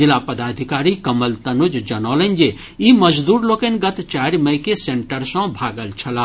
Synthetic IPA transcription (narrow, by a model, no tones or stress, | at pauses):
d͡ʒilapəd̪ad̪ʱikaɾikəməlt̪ənud͡ʒd͡ʒənɔlənd͡ʒe | iməd͡ʒd̪uɾlokənɡət̪t͡ʃaɾiməkeseɳʈəɾsə̃bʱaɡəlt͡ʃʰəla